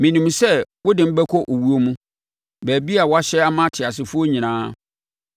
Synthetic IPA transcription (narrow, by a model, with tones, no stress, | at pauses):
mĩ˨nĩ˨msɛ˦wʊ˦dɪ˨m̩˦bɛ˦kʰɔ˦ʔo˨wu˦o˦mũ˦ | bæː˨bi˦a˨wɔ˦a˦ɕɛ˦a˦mã˦tʰɪ˨a˨s̬ɪ˨fʊ˦o˦ɲĩ˨nãː˦